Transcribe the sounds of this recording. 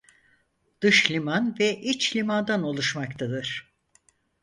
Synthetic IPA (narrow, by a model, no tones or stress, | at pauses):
d̪̥ɯʃlʲimanvɛʔit͡ʃlʲimand̪ano̞lˠuʃmakt̪ʰad̪ɯɾ̥